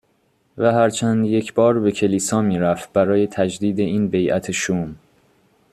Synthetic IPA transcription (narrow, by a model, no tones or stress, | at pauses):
væɦæɾt͡ʃʰænd̪je̞cʰbɒːɾbe̞cʰeliːsɒːmiːɾæft̪̚bæɾɒːje̞t̪ʰæd͡ʒd̪iːd̪e̞iːnbe̞jʔæ̰t̪ʰeʃuːm